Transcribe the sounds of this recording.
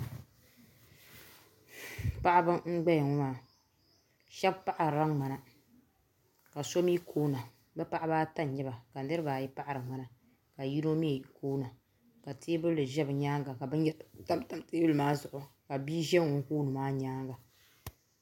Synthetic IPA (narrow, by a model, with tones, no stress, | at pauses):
pa˦ʔa˦bɨ˦ŋ͡m̩˦ɡ͡bɛ˦jɛ˨ŋɔ˦maː˨ | ʃɛ˦bpa˦ʔa˨ɾa˦ŋ͡ma˨na˨ | ka˨so˦mi˦kʰoː˦na˨ | bɨ˦pa˦ʔa˦baː˦ta˦˨ɲɛ˦ba˨ka˨˦nɨ˦ɾɨ˦baː˨ji˦pa˦ʔa˨ɾɨ˨ŋ͡ma˨na˨ | ka˨ji˦ɾo˦mi˦a˨kʰoː˦na˨ | ka˨teː˦bɨ˦lɨ˨ʒɛ˦bɨ˨ɲaː˦ŋɡa˨ka˨bɨ˦ɛ˦ta˦mta˦mteː˦bɨ˦lɨ˨maː˦zʊ˨ʔʊ˨ka˨biː˦ʒɛ˦ʊ˨ŋ˦koː˦nɨ˨maː˦ɲaː˦ŋɡa˨